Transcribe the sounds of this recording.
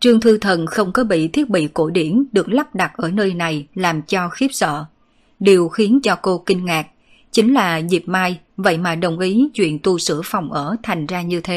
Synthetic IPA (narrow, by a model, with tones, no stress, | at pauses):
t͡ɕɨ˧ŋt̪ʰɨ˧t̪ʰə˨˩nxə˧wŋ͡mkɔ˨˦ɓḭ˧˨t̪ʰi˦˥ət̚ɓḭ˧˨ko˧˩ɗi˧˩ənɗɨ˨˩ək̚la˦˥p̚ɗa˨˩t̚ʔəː˧˩nəː˧jna˨˩jlaː˨˩mt͡ɕɔ˧xi˦˥p̚sə̰ː˧˨ | ɗi˨˩əwxi˨˦ənt͡ɕɔ˧ko˧kï˧ŋŋaː˨˩k̚ | t͡ɕï˨˦ŋ̟laː˨˩zi˨˩p̚maː˧j | və̰˧˨jmaː˨˩ɗə˨˩wŋ͡mʔi˨˦t͡ɕwḭ˧˨ənt̪u˧sɨ̰˧˩əfa˨˩wŋ͡mʔəː˧˩t̪ʰa˨˩jŋ̟zaː˧ɲɨ˧t̪ʰe˨˦